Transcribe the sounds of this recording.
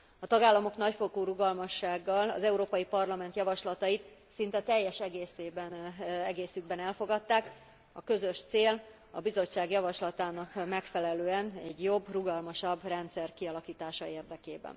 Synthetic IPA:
ɒt̪ɒɡaːlːɒmo̞knɒcfo̞koːɾuɡɒlmɒʃːaːɡːɒlɒ̰zɛuɾoːpɒjipɒrlɒmɛnt̪jɒvɒʃlɒt̪ɒjit̪sint̪ɛt̪ɛjːɛʃɛɡeːseːbɛnɛɡeːsyɡ̚bɛnɛlfo̞ɡɒt̪ːaːk | ɒkø̞zø̞ʃt̪seːl | ɒ̰bizo̞t͡ʃːaːɡjɒvɒʃlɒt̪aːnɒkmɛkfɛlɛløːɛnɛɟjo̞bruɡɒlmɒʃɒbːrɛnt̪sɛrkiɒlɒkiːt̪aːʃɒeːrd̪ɛkeːbɛ̰n

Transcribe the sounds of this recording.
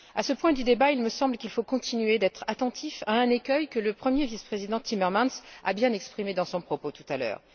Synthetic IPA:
asəpwɛ̃d̪yd̪ebailməsɑ̃blkʲilfokɔ̃t̪inɥed̪ɛt̪χat̪ɑ̃t̪ʰifaɛ̃nekʲœjkələpχəmjevispχezid̪ɑ̃t̪imɛʁmãnsa̰bjɛ̃nɛkspχimed̪ɑ̃sɔ̃pχɔpot̪u̥t̪alœ̰ːʁ

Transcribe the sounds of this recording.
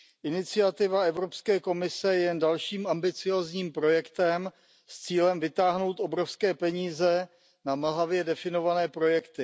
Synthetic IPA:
ʔɪnɪt͡sɪat̪ɪvaɛvɾo̞pskɛːko̞mɪsɛjɛjɛndalʃiːmambɪt͡sɪjo̞ːzɲiːmpɾo̞jɛkt̪ɛm | st͡siːlɛmvɪt̪aːɦno̞wt̪ʔo̞bɾofskɛːpɛɲiːzɛ | naml̩ɦavjɛdɛfɪno̞vanɛːpɾo̞jɛkt̪ɪ

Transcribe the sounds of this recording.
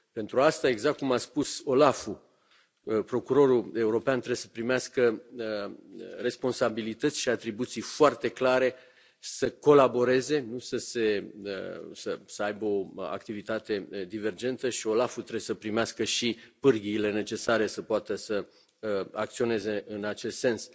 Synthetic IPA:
pe̞nt̪ɾuast̪ae̞ɡzak̚t̪̚kumaspuso̞lafu | pɾo̞kuɾo̞ɾue̞uɾo̞peant̪ɾe̞besə̥pɾimeaskə | re̞spo̞nsabilit̪ət̪sʲʃiat̪ɾibut̪sijfoart̪e̞klaɾe̞ | səko̞labo̞ɾe̞ze̞nusəse̞ə̰səsəajbeo̞a̰kt̪ivit̪at̪e̞d̪ive̞rd͡ʒe̞nt̪əʃio̞lafut̪ɾebsəpɾimeaskəʃipɨrɡʲiːle̞ne̞t͡ʃe̞saɾe̞səpoat̪əsə | a̰kt̪sio̞ne̞ze̞ɨnat͡ʃe̞st̪se̞ns

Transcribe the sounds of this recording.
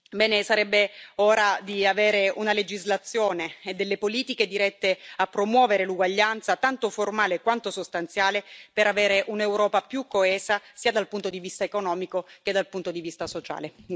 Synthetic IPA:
bɛːnesaɾɛbːeoːɾad̪iaveːɾeunaled͡ʒizlat̪sːjoːneːd̪ːelːepoliːt̪iked̪iɾɛt̪ːeapːɾomwɔːveɾeluɡwaʎːant̪sat̪ant̪oformaːlekwant̪osost̪ant̪sjaːlepeɾaveːɾeʔunewɾɔːpapjukːoɛːzasiːad̪alpunt̪od̪ivist̪aekonɔːmikok̟ed̪ːalpunt̪od̪ivist̪asot͡ʃa̰ːle

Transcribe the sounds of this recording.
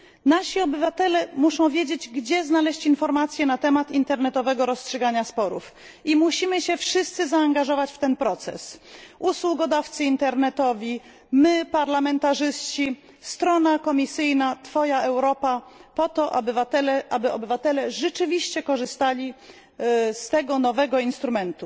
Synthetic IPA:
naɕiɔbɘvat̪ɛlɛmuʂɔ̃w̃vʲjed͡ʑed͡ʑɡd͡ʑɛznalɛɕt͡ɕinfɔɾmat̪sʲjɛnat̪ɛmat̪int̪ɛɾnɛt̪ɔvɛɡɔɾɔstʂɛɡaɲaspɔɾṵf | imuɕimɘɕɛfʂɘst̪sɘzaːŋɡaʐɔvat͡ɕft̪ɛnpɾɔt̪sɛ̰sʔuswuɡɔd̪aft̪sɘint̪ɛɾnɛt̪ɔvʲi | mɘpaɾlamɛnt̪aʐɘst͡ɕi | st̪ɾɔnakɔmʲisɘjnat̪fɔjaʔɛwɾɔpapɔt̪ɔʔa̰bvat̪ɛlʔabɘɔbɘvat̪ɛlɛʐɛt͡ʂɘvʲiɕt͡ɕɛkɔʐɘst̪alʲi | st̪ɛɡɔnɔvɛɡɔinst̪ɾumɛnt̪u

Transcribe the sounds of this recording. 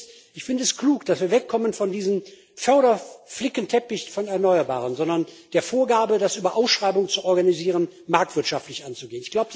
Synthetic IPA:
ʔɪçfɪndəɛskl̥uːkd̥asv̥iːɐvɛkʰːɔmənfɔndiːzəm | fœɐɾɐflɪkəntʰɛpɪçfɔnɛɐnɔʏɐba̰ːʁənzɔndɐnd̥eːɐfoːɐɡaːbədasʔyːbɐʔaʊsʃʁ̥aɪbʊŋət͡suʔɔɐɡaniziːʁ̞ən | maɐk̚tv̥ɪɐtʃaftlɪçʔant͡suɡeːənɪçɡ̥laʊbə

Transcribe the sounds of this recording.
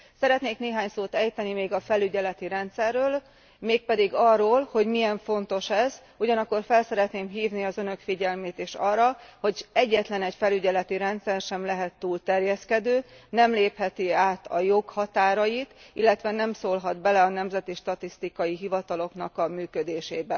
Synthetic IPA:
sɛɾɛt̪neːkneːɦaːɲsoːt̪ɛjt̪ɛnimeːɡɒfɛlyɟɛlɛt̪iɾɛnt̪sɛrːøːl | meːk̚pɛd̪iɡɒrːoːlho̞ɟmijɛɱfo̞nt̪o̞ʃɛz | uɟɒnɒkːo̞rfɛlsɛɾɛt̪neːmɦiːvniɒzønø̞kfiɟɛlmeːt̪eːʃɒːrːɒho̞ɟɛɟːɛt̪lɛnɛcfɛlyɟɛlɛt̪iɾɛnt̪sɛrʃɛmlɛɦɛt̪ːuːlt̪ɛrjɛskɛd̪øːnɛmleːphɛt̪iaːt̪ɒjo̞khɒt̪aːɾɒjit̪ilːɛt̪ʋɛnɛmsoːlɦɒd̪bɛlɛɒnɛmzɛt̪iʃt̪ɒt̪ist̪ikɒjiɦivɒt̪ɒlo̞kn̪ɒkɒmyːkød̪eːʃeːbɛ

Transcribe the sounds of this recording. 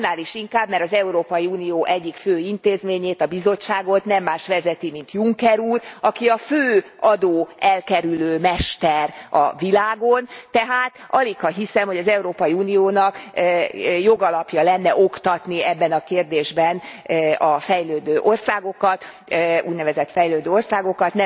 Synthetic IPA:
nːaːliʃiŋkaːbmɛɾɒzɛuɾoːpɒjiuːnijoːʔɛɟːikføːint̪eːzmeːɲeːt̪ɒbizo̞t͡ʃːaːɡo̞t̪nɛmːaːʃʋɛzɛt̪imin̪t̪juŋkɛɾuːrɒkiɒføːɒd̪oːɛlkɛɾyløːmɛʃt̪ɛrɒ̰vilaːɡont̪ɛɦaːt̪ʔɒlikhɒɦisɛmho̞ɟɒzɛuɾoːpɒjiuːnijoːnɒkː | jo̞ɡɒlɒpjɒlɛnːɛʔo̞kt̪ɒt̪niɛbːɛnɒkeːrd̪eːʒbɛnɒfɛjløːd̪øːʔo̞rsaːɡo̞kɒt̪ | ṵːɟnɛvɛzɛt̪fɛjløːd̪øːo̞rsaːɡo̞kɒt̪nɛ

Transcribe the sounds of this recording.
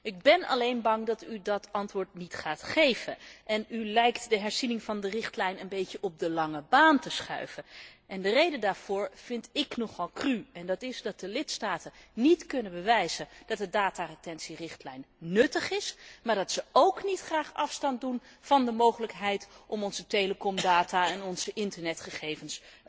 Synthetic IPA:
ʔɪɡ̚bɛnɑ̰lejnbɑŋdɑtydɑtɑntʋʊːɹtnitχaːtχejvənʔɛnylɛjktdəɦɛɹzinɪŋvɑndərɪχtlɛjnənbejcəʔɔp̚dəlɑŋəbaːntəsχœ̰ɥvənʔɛndərejdəndaːɹv̥ʊːɹv̥ɪntɪknɔχɑlˠkryɛndɑtɪzdɑt̚dəlɪtstaːtənnitkɵnənbəʋɛjzənd̥ɑt̚dədaːtarətɛnsirɪχtlɛjnːɵtəχɪsmaːɹdɑtsəowknitχraːχɑfstɑn̚dunv̥ɑndəmowχələkɦɛjtʔɔmɔnzətejləkɔmdaːtaːɛnɔnz̥əʔɪntəɹnɛtχəχejvəns

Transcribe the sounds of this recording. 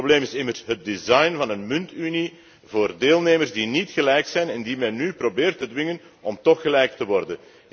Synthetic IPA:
bleːmɪsɪmərsɦət̚dizɑjnvɑnənmʏntyni | voːrdeːlˠneːmərzdinitxəlɛjksɛjnɛndimɛnːyprobeːrtədʋɪŋən | ɔmtɔxːəlɛjk̚təʋɔrdən

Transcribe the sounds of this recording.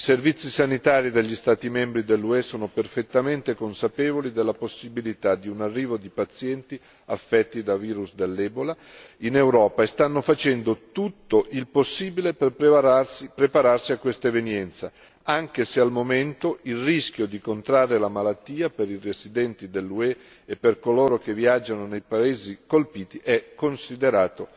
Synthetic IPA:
iservit̪sːisanit̪aːɾid̪eʎːist̪aːt̪imɛmbɾid̪elːuɛsoːnoperfet̪ːament̪ekonsapɛːvolid̪elːaposːibilit̪ad̪iunarːiːvod̪ipat̪sjɛnt̪i | afːɛt̪ːid̪aviːɾusd̪elːɛːbola | inewɾɔːpaest̪anːofat͡ʃɛnd̪ot̪ut̪ːoʔilposːiːbileperpspɾepaɾarsiakːwest̪aevenjɛnt̪sa | aŋk̟esealmoment̪oilrisk̟jod̪ikont̪ɾarːelamalat̪ːiːapeɾirezid̪ɛnt̪id̪elːuɛ | epːerkoloːɾok̟eviad͡ʒanonejpaeːzikolpiːt̪iʔɛkːonsid̪eɾaːt̪o

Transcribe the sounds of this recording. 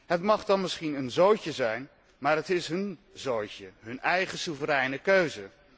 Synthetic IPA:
ɦətmɑχdɑnmɪsχinənzowcəzɛjn | maːɹətɪsɦɵnzowjcəɦɵnɛjχəsuvəɾɛjnəkøɥzə

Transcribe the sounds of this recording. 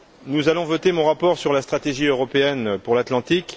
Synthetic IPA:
nuzalɔ̃vɔt̪emɔ̃ʁapɔʁsyʁlast̪χat̪eʒiøʁɔpeɛnpuʁlat̪lɑ̃t̪ik

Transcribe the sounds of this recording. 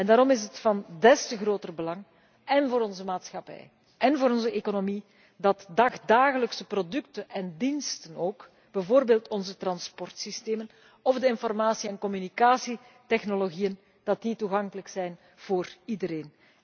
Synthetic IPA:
ɛndaːɾɔmɪsətfɑndɛstəɣroːtərbəlɑŋ | ɛnvoːɾɔnzəmaːtsxɑpɛ̰j | ɛnvoːɾɔnzəʔekonomi | dɑtdɑxdaːɣələksəprodʏktəɛndinstənoːk | b̥ɛvoːrbeːlˠtɔnzətrɑnspɔrtsisteːmən | ɔvdəɪnfɔrmaːsiɛnkɔmynikaːsitɛxnoloɣijən | d̥ɑt̚dituɣɑŋkələksɛjn | v̥oːridəɾeːn

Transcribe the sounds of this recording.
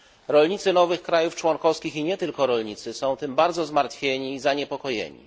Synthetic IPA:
ɾɔlɲit̪sɘnɔvɘxkɾajuft͡ʂwɔŋkɔfskʲixiɲɛt̪ɘlkɔɾɔlɲit̪sɘsɔ̃w̃t̪ɘmbaɾd̪zɔzmaɾt̪fʲjeɲiːzaɲɛpɔkɔjḛɲḭ

